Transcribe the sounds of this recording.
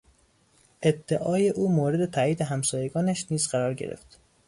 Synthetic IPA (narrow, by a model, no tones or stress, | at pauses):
ʔe̞d̪ːeʔɒːje̞ʔuːmoːɾe̞d̪e̞t̪ʰæiːd̪eɦæmsɒːje̞ɡɒːnæʃniːzɢæɾɒːɾɟeɾḛft̪